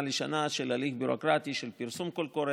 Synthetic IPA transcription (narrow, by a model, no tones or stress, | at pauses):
leʃanaʃelalifbuɾokɾat̪iʃelpiɾsumkolkoɾe